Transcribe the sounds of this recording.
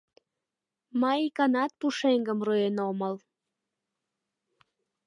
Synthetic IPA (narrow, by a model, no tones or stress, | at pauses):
mɑikɑnɑt̪̚puʃeŋɡəmruenoməl